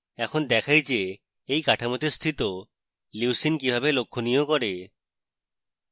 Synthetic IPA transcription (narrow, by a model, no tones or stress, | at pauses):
ɛkʰond̪ɛkʰajd͡ʑe | ejkaʈʰamot̪est̪ʰit̪o | liwsinkibʱabelokʰːonijokɔɾe